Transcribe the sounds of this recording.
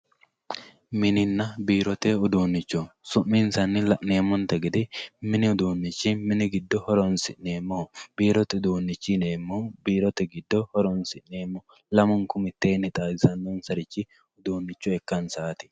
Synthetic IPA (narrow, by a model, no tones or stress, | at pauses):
mɪnɪnːɐbiːɾɔt̪eʊd̪uːnːɪt͡ʃːɔsʊmːɪːnsɐnːɪlɐʔneːmːɔnt̪ɐɡɪd̪ɪmɪnɪʊd̪uːnːɪt͡ʃːɪmɪnɪɡɪd̪ːɔhɔɾɔnsɪneːmːɔbiːɾɔt̪ɪʊd̪uːnːɪt͡ʃːɪneːmːɔbiːɾɔt̪ɛɡɪd̪ːɔhɔɾɔnsɪneːmːɔ | lɐmʊŋkʊmɪt̪ːeːnːɪt̪ʼaːɡɪsɐnːɔnsɐɾɪt͡ʃːɪ | ʊd̪uːnːɪt͡ʃːʊɛkːɐnsaːt̪ɪ̥